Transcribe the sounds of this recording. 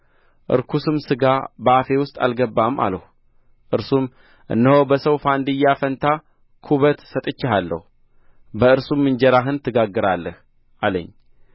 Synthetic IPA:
ʔɨ̰ɾkʰusɨmsɨɡabəafe̞wʊst̪ʼa̰lɡəbːama̰ləhu | ʔɨɾsum | ʔɨ̰nːəhobəsəwfand̪ɨjafənt̪ʰa | kʰuβət̪sət̪ʼɨt͡ʃːɪɦalːə̰hu | bəɨɾsumːɨnd͡ʒɛɾaɦɨnt̪ʰːɨɡaɡːɨɾalːəh | ʔalə̰ɲː

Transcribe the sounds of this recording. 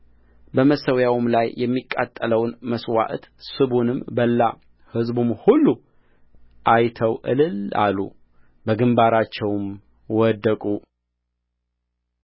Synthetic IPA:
bəməsəwjawmlajjʔɛmːikʼːat̪ʼːələwnməswa̰ʔt̪sɨβunɨmbəlːa | hɨzbumhulːu | ʔajt̪ʰəwʔɨlɨla̰lːṵ | bəɡɨmbaɾat͡ʃːɛwm | wɔd̪ːəkʼu

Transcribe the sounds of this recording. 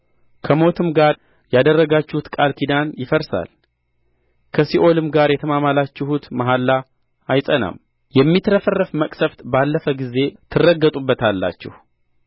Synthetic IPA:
kʰəmo̞t̪ʰɨmɡaɾ | jad̪ərːəɡat͡ʃːhut̪kʼalkʰid̪anjɪfəɾsa̰l | kʰəsiʔo̞lɨmɡaɾjɛt̪ʰəmamalat͡ʃːɪhut̪maɦalːa | ajsʼəna̰m | jɛmːit̪ɾəfərːəfməkʼsəft̪balːəfəɡize̞t̪ʰɨrːəɡːət̪ʼubːət̪ʰalːa̰t͡ʃːɛ̰hu

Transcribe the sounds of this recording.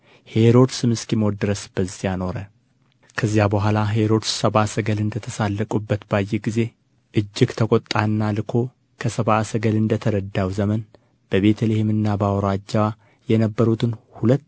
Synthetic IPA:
he̞ɾo̞d̪sɨmɨskimwɔd̪ɨɾəsb̥əzijano̞ɾə | kʰəzːjabəɦʷalaɦe̞ɾo̞d̪ssəβasəɡəlɨnd̪ət̪ʰəsalːəkʼubːət̪bajːeɡize̞ | ʔɨd͡ʒːɪɡt̪ʰəkʼot̪ʼːanːalɨkʰo̞ | kʰəsəβasəɡəlɨnd̪ət̪ʰəɾəd̪ːawzəmən | b̥əβe̞t̪ʰəlehemɨnːabəawɾad͡ʒːawa | jɛnəbːəɾut̪ʰɨnhulət̪ː

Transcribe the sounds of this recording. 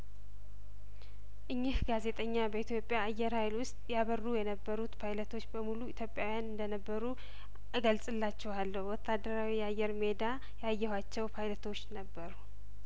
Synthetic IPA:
ʔɨɲːɪhɡaze̞t̪ʼəɲːabəit̪ʰjo̞pʼjaːjːɛɾhajlwʊst̪ʼjaβərːujɛnəbːəɾut̪pʰajlət̪ʰo̞t͡ʃːbəmuluit̪ʰjopʼjawjanɨnd̪ənəbːəɾu | ɡəlsʼɨlːat͡ʃːɛwalːəhwɔt̪ʰːad̪ːəɾawijɛajːɛɾme̞d̪a | jajːɛhwat͡ʃːɛwpʰajlət̪ʰo̞t͡ʃːnəbːəɾu

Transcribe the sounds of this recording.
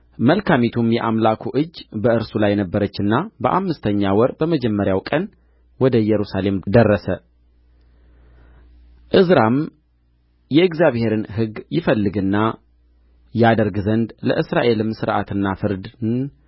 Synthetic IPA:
məlkʰamet̪ʰumjɛʔamlakʰuʔɨd͡ʒːbəʔɨɾsulajːɛnəbːəɾət͡ʃːɨnːabəʔamːɨst̪ʰəɲːawɔɾbəməd͡ʒɛmːəɾjawkʼən | wɔd̪əjɛɾusale̞md̪ərːəsə | ʔɨzɾam | jɛɨɡzjaβhe̞ɾɨnɦɨɡjɪfəlːɨɡɨnːa | jad̪əɾɡzənd̪lə̰ʔɨsɾaʔe̞lɨmsɨɾʔa̰t̪ɨnːafɨɾd̪n

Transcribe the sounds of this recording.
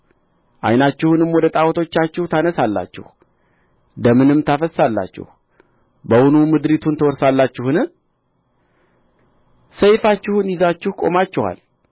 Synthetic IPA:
ʔa̰jnat͡ʃːɪhunɨmwɔd̪ət̪ʼawɔt̪ʰo̞t͡ʃːat͡ʃːɪhut̪ʰanəsalːa̰t͡ʃːɪ̰h | d̪əmɨnɨmt̪ʰafəsalːa̰t͡ʃːɪ̰h | bəwʊnumɨd̪ɾit̪ʰunt̪ʰəwɔɾsalːat͡ʃːɪhɨnɨ | səjfat͡ʃːɪhunjɪzat͡ʃːɪhkʼo̞̰mat͡ʃːɪha̰l

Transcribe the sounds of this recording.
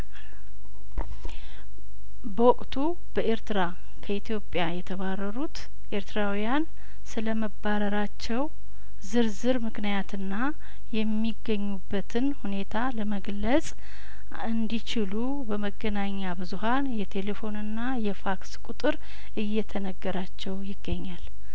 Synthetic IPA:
bəwɔkʼt̪ʰu | b̥əʔe̞ɾt̪ɨɾa | kʰəit̪ʰijo̞pʼjajɛt̪ʰəβarːəɾut̪ | ʔe̞ɾt̪ʰɨɾawijan | sɨləməbaɾəɾat͡ʃːɛw | zɨɾzɨɾmɨknijat̪ʰɨnːa | jɛmːiɡːəɲːubːət̪ʰɨnhune̞t̪ʰaləməɡlət͡sʼ | ɨnd̪it͡ʃɪlu | bəməɡːənaɲːabɨzuɦanjɛt̪ʰe̞le̞fo̞nɨnːajɛfakskʼut̪ʼɨɾ | ʔɨjːɛt̪ʰənəɡːəɾat͡ʃːɛwjɪɡːəɲːal

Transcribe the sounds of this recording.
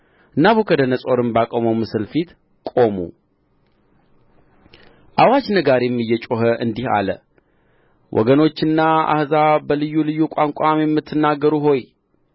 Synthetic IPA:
ɨnːaβukʰəd̪ənəsʼo̞ɾɨmbakʼoməwmɨsɨlfit̪ | kʼo̞mṵ | ʔawat͡ʃnəɡaɾjɛmːɨjːɛt͡ʃʼoɦəʔɨnd̪iha̰lə̰ | wʔɔ̰ɡəno̞t͡ʃːɨnːaa̰hzabəlɨjːulɨjːukʼaŋkʼamjɛmːɨt̪ʰːɨnːaɡːəɾuɦo̞j

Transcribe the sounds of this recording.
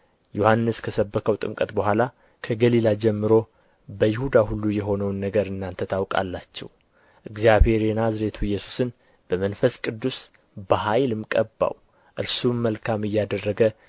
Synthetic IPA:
jo̞hanːɨskʰəsəbːəkʰəwt̪ʼɨmkʼət̪bəɦʷala | kʰəɡəlilad͡ʒɛmːɨɾo̞ | bəjɪhud̪ahulːujɛɦo̞nəwnːəɡəɾɨnːant̪ʰət̪ʰawkʼa̰lːat͡ʃːɛ̰w | ʔɨɡzjabhe̞ɾenazɾet̪ʰuɨjːɛsu̥sɨn | b̥əmənfəskʼɨd̪ːus | bəɦajlɨmkʼəbːa̰w | ʔɨɾsuːəlkʰamɨjːad̪ərːəɡə

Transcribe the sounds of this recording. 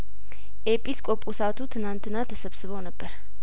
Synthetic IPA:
ʔepʼːiskʼopʼusat̪ʰut̪ʰɨnant̪ʰɨnat̪ʰəsəβsɨβəwnəbːəɾ

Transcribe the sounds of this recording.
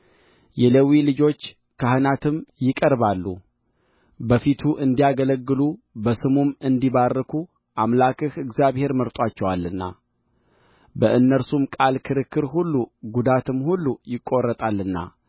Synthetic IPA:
jɛləwilɨd͡ʒo̞t͡ʃː | kʰahɨnat̪ʰɨmjɪkʼəɾβalːu | bəfit̪ʰuʔɨnd̪ijaɡələɡːɨlubəsɨmumɨnd̪iβarːəkʰu | ʔamlakɨhɨɡzjaβhe̞ɾməɾt̪ʼwat͡ʃːɛwalːɨnːa̰ | bəʔɨnːəɾsumkʼalkʰɨɾɨkːɨɾɦulːuɡud̪at̪ɨmhulːujɪkʼːo̞rːət̪ʼalːɨnːa̰

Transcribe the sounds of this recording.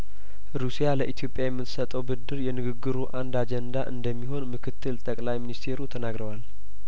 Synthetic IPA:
ɾusijaləʔit̪ʰjo̞pʼjajɛmːɨt̪ːɨ̥sət̪ʼəwbɨd̪ːɨɾjɛnɨɡɨɡːɨɾuʔand̪ad͡ʒɛnd̪aʔɨ̰nd̪əmːiɦo̞nmɨkʰɨt̪ʰːɨlt̪ʼəkʼlajminist̪ʰe̞ɾut̪ʰənaɡɾəwal

